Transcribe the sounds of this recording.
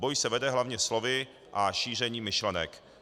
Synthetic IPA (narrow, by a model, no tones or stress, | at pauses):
bojsɛvɛdɛɦlavɲɛslo̞vɪ | ʔaʃiːr̝ɛɲiːmɪʃlɛnɛk